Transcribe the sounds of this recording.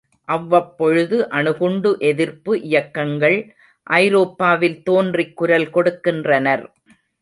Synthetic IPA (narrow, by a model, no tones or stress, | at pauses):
ʔɐʋːɐpːɔɻɯðɯʔɐnɯɣʊɳɖɯʔɛðɪɾpɯʔɪjɐkːɐŋɡɐɭ | ʔɐɪɾoːpːaːʋɪlt̪oːndrɪkːʊɾɐlkɔɽɯkːɪndrɐnɐɾ